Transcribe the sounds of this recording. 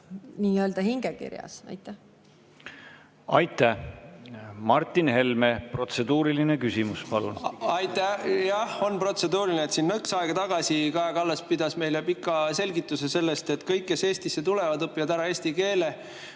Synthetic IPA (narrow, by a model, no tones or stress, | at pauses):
niːøld̪ɑɦiŋɡ̥ekḭɾjɑ̰sɑ̰jt̪ːˑæ | ɑjt̪ːˑæh | mɑrt̪ːˑinhe̞lmepro̞t̪se̞d̪uːɾilinekysimuspɑlṵnɑjt̪ːæjɑho̞npro̞t̪se̞d̪uːɾilineet̪sinːɤksɑeɡ̥ɑt̪ɑɡ̥ɑsikɑeɡɑlːespid̪̥ɑsme̞jlepikːˑɑse̞lʲɡit̪ːˑusese̞lːe̞st̪et̪kɤjkːese̞ːsʲt̪isːe̞t̪ulevɑd̪ɤpːˑivɑd̪æɾɑeːsʲt̪ike̞ːle̞